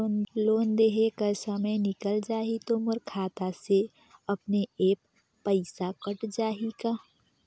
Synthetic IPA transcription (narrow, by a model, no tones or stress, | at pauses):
loːnd̪eɦekəɾsəməjnɪkəld͡ʒaːit̪omʊɾkʰaːt̪ase | ɐpneeːpː | əɪsakəʈd͡ʒaːɦikaː